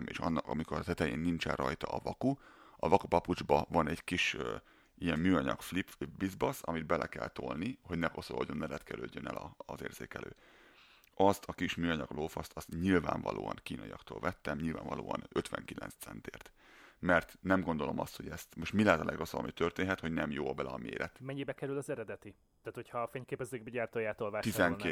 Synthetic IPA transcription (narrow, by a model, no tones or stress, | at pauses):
meːʃɒnːɒkɒmikoɾɒt̪ɛt̪ɛjeːnːint͡ʃɛrrɒjt̪ɒːvɒkuɒvɒkupɒpud͡ʒbɒvɒnɛɟ̥kiʃ | ijɛmmyːɒɲɒkflipbizbɒsɒmid̪̚bɛlʔɛkɛlt̪olniho̞ɟnɛko̞solo̰ɟonːɛlɛt̪kɛɾøɟːønɛlɒzeːrzeːkɛløː | ɒst̪ʰɒkiʃmyːɒɲɒɡloːfɒst̪ɒst̪ɲilva̰ːɱvɒ̰lʔo̰ːɒnkiːnɒjijɒkt̪oːlvɛt̪ːɛmɲilva̰ːɱvɒlo̰ːɒnøt̪ʋɛŋkilɛ̰nst̪sɛnt̪eːrt̪ | mɛrt̪nɛmɡo̞nd̪o̞lomɒst̪ho̞ɟɛst̪moʃt̪milɛːt̪ɒlʔɛɡrosobɒmit̪ørt̪eːnɦɛt̪ho̞ɟnɛmjoːɒbɛlɛɒmeːɾɛt̪mɛɲːibɛkɛɾylɒzɛɾɛd̪ɛt̪i | t̪aːt̪hochɒːfeɲkeːpɛzeːɡ̚bɛɟaːrt̪oːjaːt̪olvat̪izɛŋke